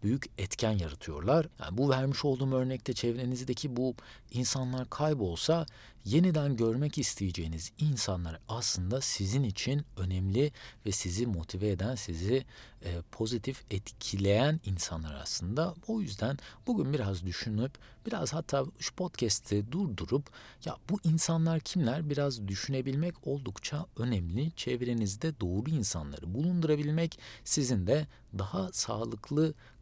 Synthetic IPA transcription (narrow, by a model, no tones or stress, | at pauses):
b̥yjycɛt̪cʰænjaɾɯt̪ʰɯjo̞̰ɾlˠaɾ̥ja̰ːnbuvæɾmiʃo̞lˠd̪uːmø̞ɾnɛc̚t̪ʰɛt͡ʃʰɛvɾenizd̪ecʰibu | insanlˠaɾkʰajbo̞lˠsa | je̞nid̪ænɟø̞ɾmɛcist̪ʰejed͡ʒe̞jinizinsanlˠaɾɯaslˠɯnd̪asizinit͡ʃʰinø̞nɛmlʲivɛsizimo̞t̪ʰivɛːd̪ænsiziː | pʰo̞zit̪ʰifɛt̪cʰilʲe̞jæninsanlˠaɾa̰slˠɯnd̪ao̞jyzd̪ænb̥uɟynbiɾazd̪yʃynyp | b̥iɾa̰z̥hat̪ʰːaːuʃpʰo̞t̪cʰɛst̪ʰɛd̪uɾd̪uɾup | ja̰buʔinsanlˠaɾcʰimlʲæɾbiɾazd̪yʃyne̞bilʲmɛcʰo̞lˠd̪ukt͡ʃʰaø̞nɛmlʲit͡ʃʰevɾe̞nizd̪ɛd̪o̞ːɾuinsa̰nlˠa̰ɾɯbulˠund̪uɾabilʲmɛcsizind̪ɛ | d̪ahasa̰ːlˠɯklˠɯ